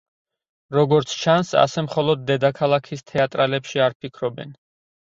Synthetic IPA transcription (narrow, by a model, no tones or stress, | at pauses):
ɾɔɡɔɾt̪sʰt͡ʃʰansa̰sɛmχɔlˠɔd̪̚ːɛd̪akʰalˠakʰist̪ʰɛat̪ʼɾalɛpʃiaɾpʰikʰɾɔbɛ̰n